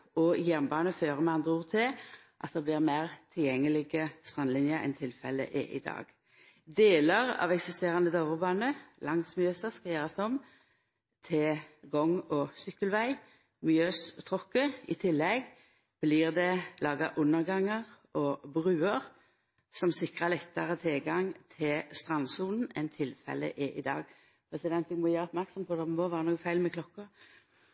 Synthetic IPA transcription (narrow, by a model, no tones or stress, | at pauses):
ɔjæʁnbɑːnəføːʁəmɛɑnd̪ʁəuːʁt̪ʰɪ | ʔɑt̪̚d̪ɛːblɪʁmæːʁt̪ʰɪljɛŋːəlɪɡəst̪ʁɑnlɪnjəɛ̰nt̪ʰɪlfɛlːə̰ʔɛʔɪ̰d̪ɑ̰ːɡ | d̪eːləʁɑ̰ʋɛksɪst̪eːʁɑnəd̪oːʋəʁbɑːnəlɑŋsmɪøːsəskɑjæːʁɑsd̪ɔm | t̪ʰɛɡɔŋɔsʏkːəlʋæɪ | mɪøːst̪ʰʁɔkːəɪ̰t̪ʰɪlːɛɡ | b̥liʁd̪ɛlɑːɡɑ̰ʔʊnːəʁɡɑŋːɑʁʔɔbʁʉːəʁ | sɔmsɪkʁəlɛt̪ːɑʁət̪ʰɪlɡɑŋt̪ʰɪlst̪ʁɑnːsuːln̩ɛnt̪ʰɪlfɛ̰lə̰ʔɛʔɪ̰d̪ɑ̰ːɡ | pʰɾɛsɪd̪ɛnt̪ɛɡmɔjæːʁəɔpmæʁksɔmpʰɔd̪ɛmɔʋæːʁənuːɡəfæɪlmɛkʰlɔkːə